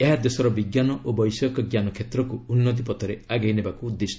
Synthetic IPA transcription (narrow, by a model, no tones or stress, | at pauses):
eɦad̪esɔɾɔbiɡjanɔʔobɔjsɔkɔɡjanɔkʰet̪ɾɔkuːnːɔt̪̬ipɔt̪ʰɔɾeaɡajnebakuːd̪ːes